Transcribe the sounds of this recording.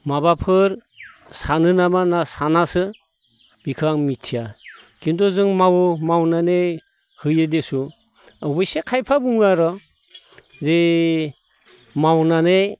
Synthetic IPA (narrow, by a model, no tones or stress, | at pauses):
mabapʰɯɾ | sanɯnamanasanasɯ | b̥ikʰaŋmitʰija | kindɔzɯŋmawmawnane | hɯjɯdesu | abɯjsekʰajpʰabuŋaɾɔ | ze | mawnane